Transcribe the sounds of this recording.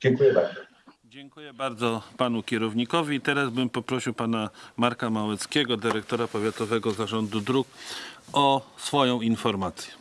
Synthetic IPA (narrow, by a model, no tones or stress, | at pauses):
d͡ʑɛŋkujɛbaɾd̪zɔ | d͡ʑɛŋkujɛbaɾd̪zɔpanukʲɛɾɔvɲikɔvʲiːt̪ɛɾazbɘmpɔpɾɔɕiwpanamaɾkamawɛt̪skʲɛɡɔd̪ɘɾɛk̚t̪ɔɾapɔvʲjat̪ɔvɛɡɔzaʐɔnd̪ud̪ɾuk | ɔsfɔjɔ̃w̃infɔɾmat̪sʲjɛ̥